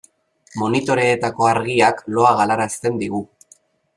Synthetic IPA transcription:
mo̞nit̪o̞ɾe̞ːt̪ako̞aɾɣiaklo̞aɣalaɾast̪e̞nd̪iɣu

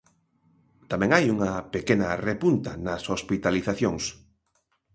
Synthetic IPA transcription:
t̪amɛ̃ŋajuŋɐpekenɐ̰repunt̪ɐ̰nɐsospit̪aliθaθjoŋs

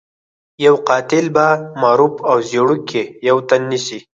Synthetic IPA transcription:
jawqɑt̪ɪlbamɑɾupawzeɽukʰejawt̪anːisi

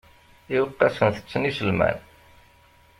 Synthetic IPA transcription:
iwəqːɑsənθə̥t͡sːənisəlmæ̰n

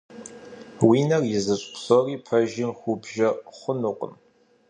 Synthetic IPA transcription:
wiːnɐrjɪzɨɕʼpsoriːpʰɐʒɪmxʷubʒɐχʷʊnuːqʷʼə̰m

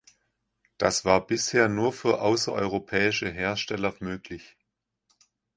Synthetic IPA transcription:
d̥asv̥aːɐb̥ɪsheːɐnuːɐfyːɐʔaʊsɐ̰ʔɔ̰ʏʁopʰɛːɪʃəɦeːɐʃtɛlɐmøːklɪç

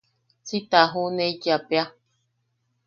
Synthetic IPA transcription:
sit̪aɦuneit͡ʃapea

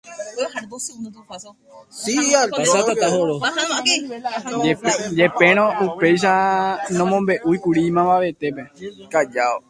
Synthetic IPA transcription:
siasakat̪aɦoɾo | d͡ʒe̞pẽ̞ɾ̃õupe̞jʃ̬anõmõmbe̞ʔujkuɾimãbaʋe̞t̪e̞pekad͡ʒao

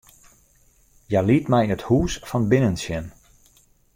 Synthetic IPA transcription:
jalitmɛjəthuːsfɔnbɪnənsjɛn

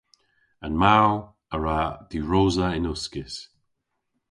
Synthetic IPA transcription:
ənmaw | əɹaðiɹoːzəɪnʊskɪs

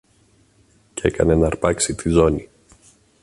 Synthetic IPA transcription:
cee̞kɐ̰ne̞nɐɾpɐksit̪izo̞ni

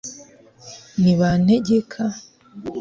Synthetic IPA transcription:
niβane̞ɟekʰa

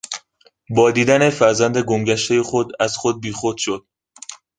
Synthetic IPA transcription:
bɒːd̪iːd̪æne̞fæɾzænd̪eɡomɟæʃt̪e̞jexod̪æzχod̪̚biːxod̪̥ʃod̪̥̚

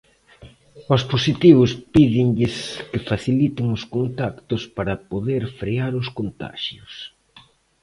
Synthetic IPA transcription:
osposit̪iβʊspiðɪŋʎɪskɪfaθilit̪ɪŋoskont̪akt̪ʊspaɾɐpoðeɾfɾeaɾʊskont̪a̰ʃjʊs

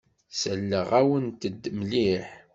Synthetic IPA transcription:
səlːəʁæwənt̪əd̪ːmliħ

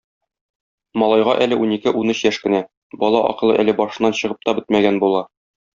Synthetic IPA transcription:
mɒlˠɑjʁɑʔælɘʔunikɘʔunɘɕjæʃkɘ̆næ | bɒlˠɑʔɒ̰qɤ̆lˠɤʔælɘbɒʃɤ̆nːɑnɕɤ̆ʁɤp̚t̪ɒbɘt̪̚mæɡænbulˠɑ

